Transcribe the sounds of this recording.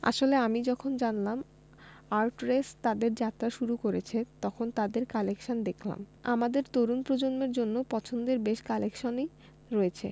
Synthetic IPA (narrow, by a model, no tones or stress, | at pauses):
a̰ʃoleamid͡ʑɔkʰond͡ʑanlam | aɾʈɾest̪ad̪eɾd͡ʑat̪ːɾaʃuɾukoɾet͡ɕʰet̪ɔkʰont̪ad̪eɾkalekʃond̪ekʰla̰ma̰mad̪eɾt̪oɾunpɾod͡ʑonmeɾd͡ʑonːopɔt͡ɕʰond̪eɾbeʃkalekʃoni | ɾoet͡ɕʰe